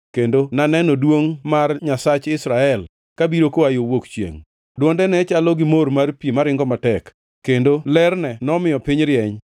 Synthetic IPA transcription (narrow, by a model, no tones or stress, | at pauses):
kendonanɛnɔdwoŋmarɲasat͡ʃɪsɾaɛl | kabiɾokoajowokt͡ʃjḛŋ | dwɔndɛnɛt͡ʃalɔɡɪmoɾmarpimaɾɪŋɡɔmatɛk | kːendolɛrnɛnɔmɪjɔpɪɲɾɪɛɲ